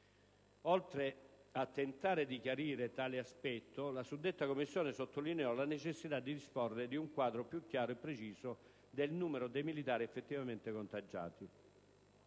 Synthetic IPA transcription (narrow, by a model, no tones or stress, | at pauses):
ɔlt̪ɾeat̪ːent̪aːɾed̪ikjaɾiːɾet̪aːlɪaspɛt̪ːolasud̪ːet̪ːakomːisːjɔːnɪsot̪ːolineɔlanet͡ʃesːit̪ad̪ːid̪ispɔrɪd̪iuŋkwaːd̪ɾopjukːjaːɾoepːɾet͡ʃiːzo | d̪elnuːmeɾod̪ejmilit̪aːɾiɛfːet̪ːivament̪ɪkont̪ad͡ʒːa̰ːt̪i